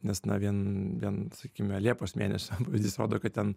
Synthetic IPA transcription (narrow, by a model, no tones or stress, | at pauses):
nʲɛsnɐʋʲiɛnʋʲiɛnsɐkʲiːkiːmʲɛlʲiɛpoːsmʲeːnʲɛsʲɛpɑːʋʲɪzʲd̪ʲiːsɾoːd̪oːkɐt̪̚t̪ʲɛn